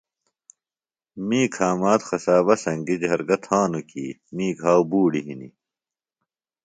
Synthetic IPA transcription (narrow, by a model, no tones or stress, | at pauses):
miːkʰaːmaːt̪xɐsaːβɐsɐŋɡid͡ʑɦɐɾɡɐt̪ʰaːnukḭːmiːkaːwbuːɽiɦinḭ